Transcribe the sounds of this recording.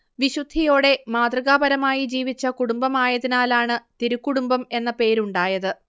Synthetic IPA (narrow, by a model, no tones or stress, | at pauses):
ʋiɕud̪ʱijo̞ːɽe̞maːd̪rɨɣaːbɐɾɐmaːjid͡ʑiːʋit͡ɕːɐkuɽumbɐmaːjɐðinaːlaːɳɨt̪iɾukːuɽumbɐme̞nːɐpe̞ːɾuɳɖaːjɐðɨ